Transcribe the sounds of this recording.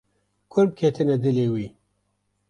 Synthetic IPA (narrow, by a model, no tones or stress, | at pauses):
kʰʊɾb̚kʰet̪ʰɨnɛd̪ɪleːwiː